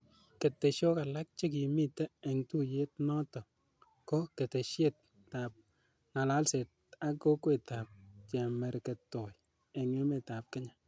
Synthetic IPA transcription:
ke˨tːe˨ʃo˦ka˨la˦k̚t͡ʃe˦k̬i˨mi˦tɛ˦ɛ˨ŋtu˦je˦t̚nɔ˦tɔ˨ | ko˦ke˨te˨ʃje˦tː | a˨p̚ | na˨la˦lse˨t̚ | a˦ko˦kwe˨ta˨p̚t͡ʃɛ˨mɛ˨ɾkɛ˨tːɔ˨j | ɛ˨ŋe˦me˨ta˨p̚kɪ˦ɲa˨

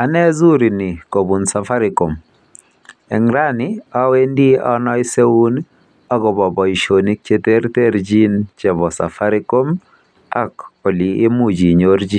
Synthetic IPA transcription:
a˨nɛ˦zu˦ɾi˨ni˨ko˨bu˨nsa˨fa˦ɾɪ˨ko˨m | ɛ˨ŋɾa˦nɪ˦a˦we˦ndi˦ɔ˦nɔ˦ɪ˦se˦wu˦n | ɔ˦ɡɔ˨bɔ˨bɔ˨i˨ʃo˨ni˦k̚t͡ʃe˦t̪e˦ɾte˦ɾd͡ʒi˦nt͡ʃɛ˨βɔ˨sa̰˨fa˦ɾɪ˦ko˦m | a̰˦ko˨liː˨˦mu˦d͡ʒi˨ɲo˦ɾd͡ʒi˦

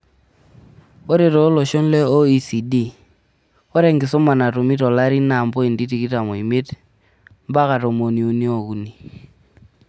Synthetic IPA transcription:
o˦ɾe˨tɔ˨˦lɔ˨ʃɔ˦n˦le˦o˦i˨si˨di˦ | ɔ˦ɾe˦˨ŋɡɪ˨sʊ˦ma˨na˨to˨mi˦tɔ˨la˦ɾi˦na˨mbo˦i˨ndi˦ti˨ki˦ta˨mo˨i˨mɪ˦t | m˦ba˦ka˨to˨mo˨ni˨u˨ni˦o˨ku˨ni˨

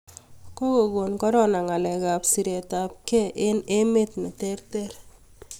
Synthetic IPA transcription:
ko˦ko˨ɡo˨nkɔ˦ɾɔ˦˨na˨ŋa˨lɛ˨ka˨psi˨ɾe˨ta˨p̚kɛ˦ʔɪ˦ne˦me˦tnɛ˨tɛ˦rtɛ˦ɾ

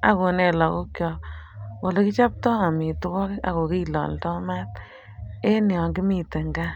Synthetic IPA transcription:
a̰˨ko˨ne˨lɔ˨ko˦kjɔ˨˧wɔ˨le˦ki˦t͡ʃa˦p̚tɔ˦a˨mi˨tu˦kɔ˦ka̰˨ko˨ki˦lɔ̰˨ntɔ˦ma˦t | e˦ni˨ɔ˨ŋɡi˦mi˨tɪ˨ŋɡa˦

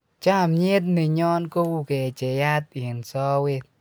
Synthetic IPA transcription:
t͡ʃa˦˧˨mɲi˦t̪̚ni˨ɲɔ˧˦nku˦˧wke˨t͡ʃe˨ja˦t̪̚i˨˩˨nsɔː˧˦wi˧˨t̪̚

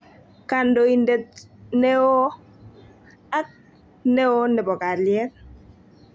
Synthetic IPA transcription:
ka˨ndo˨i˨nde˨t̚ne˦o˦ | a˦k̚ | ne˦o˦nɛ˨bɔ˨ka˨ljɛ˦t

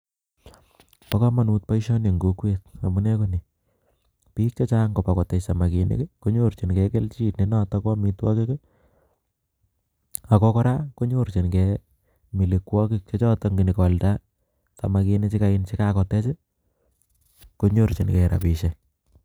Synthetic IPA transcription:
pa˦ka˦ma˨nu˨t̚pa˦iʃɔ˦ne˨ŋɡo˦kweta˨mu˦ne˦ko˦ni˨ | piː˦k̚t͡ʃɔ˦t͡ʃa˦ŋɡo˨pa˨kɔ˨tɛ˨sa˨ma˨ke˨nḛ˦kko˦ɲo˦ɾt͡ʃi˨nkɛke˦lt͡ʃi˦tne˦na˦ta˦kɔ˦mi˧twɔ˦kɪ˦k | a˨kɔkɔ˦ɾa˦ko˦ɲo˦ɾt͡ʃi˨nkɛ | mi˨li˨kwɔ˦kɪk̚t͡ʃɔ˦t͡ʃɔ˦tɔ˨ŋɡi˨ni˨kwalta˦ | sa˨ma˨ke˧ne˦t͡ʃi˦kaɪ˦nt͡ʃɪ˦kakɔ˨tɛ˦t͡ʃɪ˦ | ko˦ɲo˦˨ɾt͡ʃi˨nkɛɾa̰˨pi˨ʃɛ

